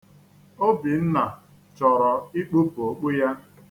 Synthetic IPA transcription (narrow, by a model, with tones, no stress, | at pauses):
o˦bi˨n̩˦na˨ | t͡ʃɔ˨ɾɔ˨i˦k͡pu˦po˨k͡pu˦ja˦